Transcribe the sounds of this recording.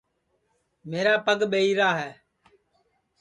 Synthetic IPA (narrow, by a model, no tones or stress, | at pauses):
meːɾaːpəɠɓeːiːɾaːɦɛː